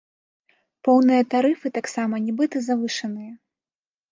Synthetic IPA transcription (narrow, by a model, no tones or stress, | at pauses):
pɔwnɨjɐt̪aɾɨfɨt̪aksamɐnʲɛbɨt̪ɨzavɨʂɐnɨjɐ